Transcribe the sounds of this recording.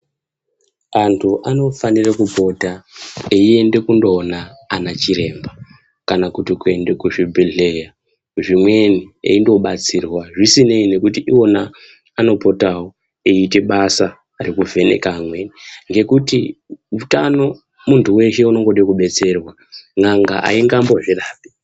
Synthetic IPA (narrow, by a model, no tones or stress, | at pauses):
antʰuʔano̞fanirakupo̞taeie̞nde̞kundo̞ːnaːnat͡ʃiɾe̞mba | kanakutikue̞nde̞kuʐibʱiɮe̞ja | ʐimwe̞niḛindo̞ɓat͡sirwaʐisine̞ine̞kutiʔiwo̞naː | no̞po̞tawo | eite̞ɓasaː | ɾikuvʱe̞ne̞̰kamweniŋɡe̞kutiutano̞ | muntʰuwe̞ʃe̞uno̞ŋɡo̞ɗekuɓe̞t͡se̞rwa | ŋaŋɡa̰ʔa̰iŋɡambo̞ʐiraːpi̥